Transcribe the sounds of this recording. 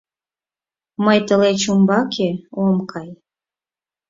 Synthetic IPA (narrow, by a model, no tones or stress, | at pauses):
məjt̪əlet͡ɕumbɑkʰeomkʰɑj